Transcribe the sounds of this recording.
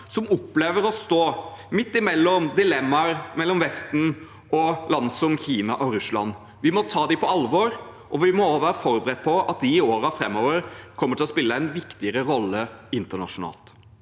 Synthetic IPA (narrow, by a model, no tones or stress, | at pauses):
sɔmɔpːleːʋəɾɔst̪oːmɪt̪ːɪmɛlːɔmd̪ɪlɛmːɑɾmɛlːɔmʋɛst̪n̩ | ɔlɑnsɔmçiːnɑʔɔɾʉslɑ̰nː | ʋɪmɔt̪ʰɑːd̪ɪpʰɔɑlʋɔɾ | ʔɔʋɪmɔːʋæːɾəfɔɾbəɾɛt̪̚ːpʰɔɑt̪̚d̪ɪːoːɾɑfɾɛmːɔːʋəɾkʰɔmːəʈʰɪlɔspɪlːəæɪnʋɪkt̪ɪəɾəɾɔlːəɪnt̪əɳɑ̰ʂʊnɑ̰ːlt̪